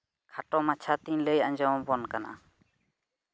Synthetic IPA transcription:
kʰaʈɔmat͡ʃʰat̪iɲləjaɲd͡ʒɔwbɔnkana̰

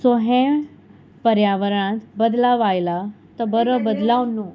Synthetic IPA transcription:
soɦẽ | pəɾjaːʋəɾəɳ̃ãt̪bəd̪laʋaːjlat̪ɐbəɾəbəd̪laːʋnːũ

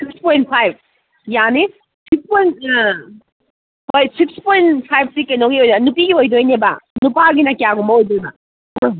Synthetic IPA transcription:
sikspojnt̚pʰajb̚ | jani | sik̚spojnt | pʰojsikspojnpʰajb̚sikɐjnoŋɡiojdɐnupiɡiojdojnebɐ̰nupaɡinɐkijaɡumbɐojdojnɐ

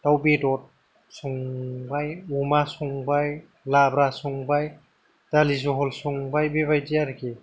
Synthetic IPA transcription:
tawbedɔt̚ | suŋbajumasuŋbaj | labɾasuŋbaj | d̥alizɔɦɔlsuŋbajbebajdijaɾke

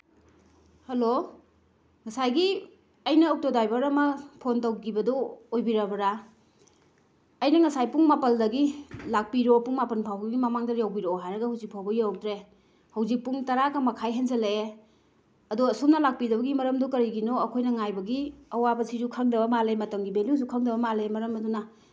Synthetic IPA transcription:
hɐlo | ŋɐsajɡi | ɐjnɐːw̚todajbɐɾɐmɐpʰontɐwɡibɐdɔojbiɾɐbɐɾa | ɐjnɐŋɐsajpuŋmapɐldɐɡilak̚piɾopuŋmapɐnpʰawɡiɡimɐmaŋdɐjawbiɾoɦajɾɐɡɐhɐwzik̚pʰawbɐjak̚tɾe | hɐwzik̚puŋtɐɾakɐmɐkʰajɦenzɐlee | ɐduɐsumnɐlak̚pidɐbɐɡimɐɾɐmdukɐɾiɡinoɐkʰojnɐŋajbɐɡiɐwabɐsizukʰɐŋdɐβɐmalemɐtɐŋɡibeljuzukʰɐŋdɐβɐmalemɐɾɐmɐdunɐ

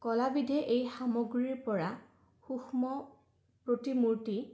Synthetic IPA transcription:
kɔlabidʱɛʔejxamoɡɹiɹpɔɹa | xuxmɔ | pɹotimuɹti

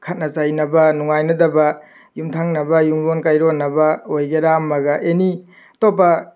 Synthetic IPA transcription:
kʰɐt̚nɐt͡ʃajnɐbɐnuŋajnɐdɐbɐ | jumtʰaŋnɐbɐjumbonkajɾonːɐbɐojɡeɾamːɐɡɐʔeni | top̬ːɐ

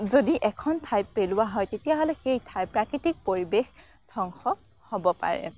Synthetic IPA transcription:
zodiʔɛkʰɔntʰajpːelʊwaɦɔjtetijaɦɔlɛxejtʰajpɹakɹitik̚poɹibex | dʱɔŋxɔ | hobɔpa̰ɹɛ̰

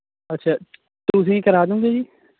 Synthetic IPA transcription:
ətːʃʰaː | t̪ʊs̬ĩːkəɾaːd̪ũːɡeːd͡ʒiː

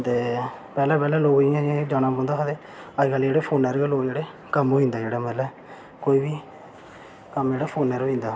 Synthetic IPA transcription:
t̪eːpɛːlɛ̃ːpɛːlɛ̃ːloːɡĩãẽd͡ʒaːnaːbõːnd̪aːkəd̪eː | əd͡ʒkald͡ʒeːɽeːpʰoːnɛːɾeloːd͡ʒeːɽeː | kəmoːĩnd̪aːd͡ʒeːɽaːmɛːlɛː | koːiːʋiː | kəmd͡ʒeːɽaːpʰoːnɛːɾoːɦĩːnd̪aː

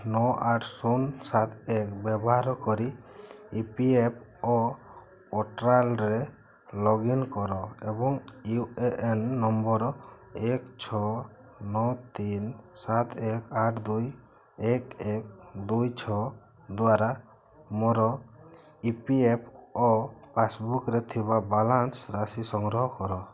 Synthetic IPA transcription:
nɔʔaʈʰsunsat̪ek̚bɛbɔɦaɾɔkɔɾiipiep̚ɔ | ɔʈɾalɾɛ | lɔɡinkɔɾɔɛbɔŋieʔenːɔmbɔɾɔɛkt͡ʃʰɔ | nɔt̪insat̪ʰɛkaʈʰd̪uj | ɛkek̚d̪ujt͡ʃʰɔ | d̪uaɾa | mɔɾɔ | ipiep̚ʰɔpʰasbukɾɛt̪ʰibabalansɾasisɔŋɡɾɔɦɔkɔɾɔ

